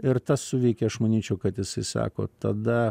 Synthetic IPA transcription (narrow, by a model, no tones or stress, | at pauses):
ɪrt̪ɐssʊʋʲɛɪkʲɛɐʃmɐnʲiːt͡ʃʲɛʊkɐt̪jɪsɐɪsɑ̰ːko̰ːt̪ɐd̪ɐ